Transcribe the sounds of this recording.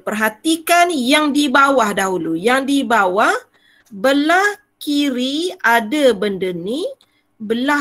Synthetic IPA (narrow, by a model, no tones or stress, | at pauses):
pərɦat̪ikanjaŋdibawahdaɦulujaŋdibawah | bəlah | kiɾiadabəndəni | bəla